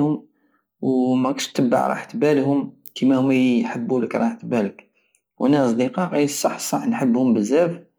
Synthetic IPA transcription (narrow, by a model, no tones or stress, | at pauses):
hʊm | wmækɑʃt̪ːəbːə̰ʕɾˤɑ̰ħt̪bælhʊm | kʰimæhʊmːæjħəbːuləkɾˤɑħt̪bælək | wʔænæɑsˤd̪iqɑqisˤːɑħsˤɑħnħəbːhʊmbəzːæf